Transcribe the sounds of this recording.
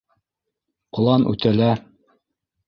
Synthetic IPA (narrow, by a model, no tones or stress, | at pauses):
qŏlˠɑnʉ̰t̪ælæ